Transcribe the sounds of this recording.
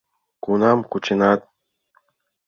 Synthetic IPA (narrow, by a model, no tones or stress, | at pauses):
kunamkut͡ʃinat̪̚